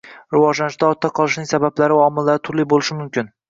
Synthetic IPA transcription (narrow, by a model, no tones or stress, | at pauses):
ɾɪvɒʒlanɪʃd̪aɒt̪ʰːaqʰɒlˠɪʃnɪŋsabablaɾɪɒmɪlːaɾɪt̪ʰʊɾliɪbolɪʃɪmʊmkʲɪn